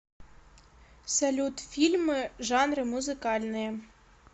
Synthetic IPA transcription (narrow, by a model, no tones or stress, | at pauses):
sɐlʲut̪fʲilʲmɨʐɑnrɤmuzɨkɑlʲnɨj